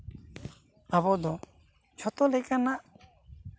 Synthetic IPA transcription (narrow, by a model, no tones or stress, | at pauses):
abɔd̪ɔ | t͡ʃʰɔt̪ɔlɛkanaʔ